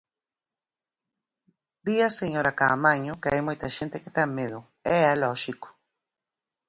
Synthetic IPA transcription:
biaseɲoɾakamaɲʊkeajmojt̪ɐʃent̪eket̪amːeðʊ | ɛalɔʃiko̥

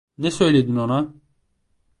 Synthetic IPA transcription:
nɛsø̞jlʲed̪inona

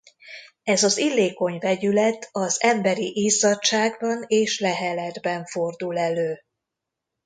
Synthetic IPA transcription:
ɛzɒzilːeːko̞ɲvɛɟylɛt̪ʰɒzɛmbɛɾiʔiːzɒtt͡ʃːaːɡbɒneːʃlɛɦɛlɛd̪bɛɱfo̞rd̪ulɛløː

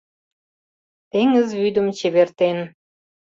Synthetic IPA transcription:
t̪eŋəzβyd̪əmt͡ɕeβert̪en

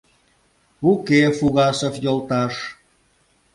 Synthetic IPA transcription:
ukefuɣɑsə̆fjolˠt̪ɑʃ

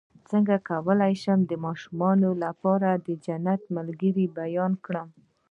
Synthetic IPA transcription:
t͡səŋɡakawəlajʃəmd̪əmɑʃumɑnolapɑɾad̪əd͡ʒanat̪malɡəɾibajɑnkɽəm

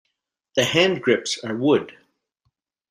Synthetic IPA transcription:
ðɨhæ̃nɡɹɪpsə˞wʊd̥

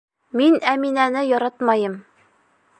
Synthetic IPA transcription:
minæminænɘjɒɾɑt̪mɑjɤm

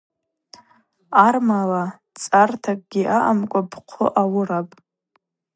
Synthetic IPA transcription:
armala | t͡sʼartʰakʼɡ̥ʲiʔaʔamkʷʼabqʷʰʊ̰ʔawʊɾapʼ

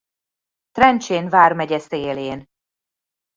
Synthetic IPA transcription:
t̪rɛnt͡ʃeːnvaːrmɛɟɛseːleːn

